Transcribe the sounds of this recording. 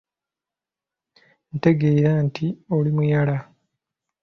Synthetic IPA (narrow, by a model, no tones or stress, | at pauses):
nte̞ɡeːɾantʰiolimujala